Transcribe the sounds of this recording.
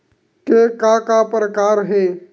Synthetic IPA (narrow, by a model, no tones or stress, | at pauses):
kekakapɾəkaːɾɦeː